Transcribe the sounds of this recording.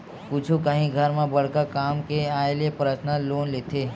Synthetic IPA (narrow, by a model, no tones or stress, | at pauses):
put͡ʃʰũkəɦĩɡʱəɾmãbəɽkakamkeaelepɾəsnaloːnlet̪ʰe